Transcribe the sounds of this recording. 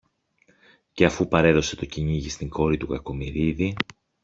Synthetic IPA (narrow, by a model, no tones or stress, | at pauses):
ce̞ɐfupɐɾe̞ðo̞se̞t̪o̞ciɲiʝist̪iŋɡo̞ɾit̪ukɐko̞miɾiði